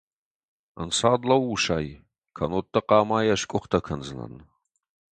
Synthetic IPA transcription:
ənsaːd̪lɐwːuʃaːj | kʰɐnotːɐqɑːmaːjɐɕkʷʼʊχt̪ʰɐkʰɐnzɨnɐ̰n

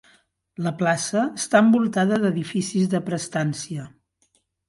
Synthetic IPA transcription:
ləplasəːst̪aəmbulˠt̪aðəðəðifisizðəpɾəst̪ansiə

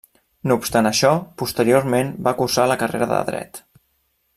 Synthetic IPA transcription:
noupst̪anəʃɔpust̪əɾioɾmenbakursaləkərḛɾəðə̰ðɾɛ̰t̪

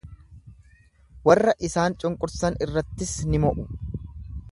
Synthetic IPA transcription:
wɐrːɐʔɪsaːnt͡ʃʼʊŋkʼʊɾsɐnɪrːɐt̪ːɪsnɪmɔʔʊ

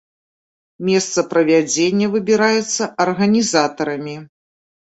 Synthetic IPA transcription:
mʲɛst̪sɐpɾɐvʲad͡zʲenʲːɐvɨbʲiɾajɛt̪sːɐʔɐrɣɐnʲizat̪ɐɾɐmʲi

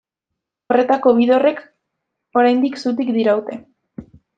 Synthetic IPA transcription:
o̞re̞t̪ako̞βiðo̞re̞k | o̞ɾajnd̪iksut̪̬ikd̪iɾawt̪e̞

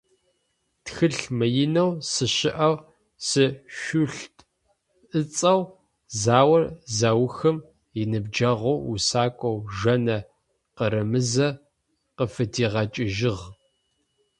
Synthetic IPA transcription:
txɨɬmɨjɪnɐwsɨɕɪʔɐw | sɨʃʷʊɬtʼ | ʔɨt͡sʼɐw | zaːwɐrzawxɨm | jɪnɨb̚d͡ʒɐʁʷowṵsaːkʷʼɔwʒɐnɐ | qəɾɐmɨzɐ | qəfɨtʰiːʁɐt͡ʃʼɪʒɪʁ

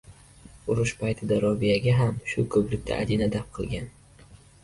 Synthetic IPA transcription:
ʊɾʊʃpʰajt̪ʰɪd̪aɾɒvijaɡʲaɦamʃʊkʰɵplɪkʲt̪ʰa̰ʔa̰d̪inad̪ap̚qʰɨlˠɡʲan

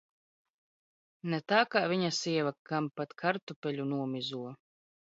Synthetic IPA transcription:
nɛt̪aːkaːvʲiɲasiɛvakampat̪kʰaɾt̪upʲɛlʲunuɔmʲizuɔ

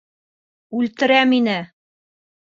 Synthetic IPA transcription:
ʉlt̪ɘ̆ɾæminɘ

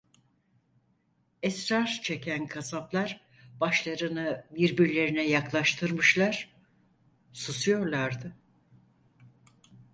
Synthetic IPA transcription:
ɛsɾaɾt͡ʃʰe̞cʰænkʰasaplˠaɾ | baʃlˠaɾɯnɯbiɾbiɾlʲe̞ɾinɛjaklˠaʃt̪ʰɯɾmɯʃlˠaɾ̥ | susujo̞ɾlˠaɾd̪ɯ

